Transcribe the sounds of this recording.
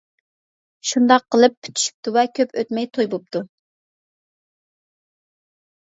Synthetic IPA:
ʃund̪ɑqːəlˠɨpʰːy̥t̪ʰy̥ʃy̥p̚t̪uvɛkʲʰøpøt̪mɛjt̪ʰojbop̚t̪ʰu

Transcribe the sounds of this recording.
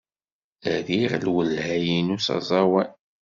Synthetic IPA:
æðiʁlwəlhæjinusɑ̰zˤɑwæn

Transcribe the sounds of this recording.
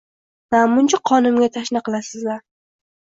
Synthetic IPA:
namʊnt͡ʃʰaqʰɒnʊmɡʲat̪ʰaʃnɪqɨlˠasɪzlaɾ

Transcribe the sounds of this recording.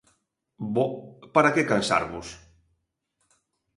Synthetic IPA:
bopaɾakekansa̰ɾβʊs

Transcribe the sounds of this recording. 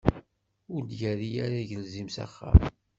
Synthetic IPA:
ʊɾd̪jæɾijaɾaʝəlzimsa̰χːa̰m

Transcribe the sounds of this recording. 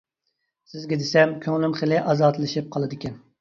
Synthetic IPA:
sɪzɡʲɛd̪esɛmkʲʰøŋlymχəlɪʔɑzɑːt̪lˠɨʃip̚qʰɑlˠɨd̪ɪkʲɛn

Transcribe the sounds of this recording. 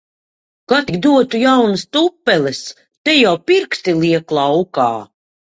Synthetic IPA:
kat̪iɡd̪uɔt̪ujawnɨst̪upːɛlɛs | t̪ɛjawpiɾkst̪iliɛklˠawka̰ː

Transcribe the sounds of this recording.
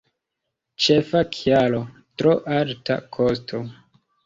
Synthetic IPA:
t͡ʃefakʰjalotɾoʔalta̰kʰostʰo

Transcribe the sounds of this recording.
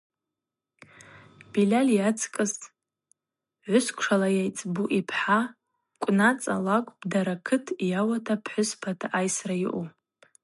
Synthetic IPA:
b̥ilaljat͡sʰkʼɨs | ʕʷʊskʷʰʂalajajt͡sʼbuʔipʰħa | kʷʼnat͡sʼa̰lakʷʼbdaɾakʰɨtʰjawatʰapʰħʷʊspʰatʰaʔajsrajḭʔu

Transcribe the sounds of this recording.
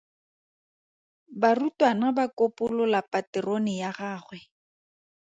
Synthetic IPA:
barutwanabakopʊlɔlapatɪronɪjaχaːχwɛ

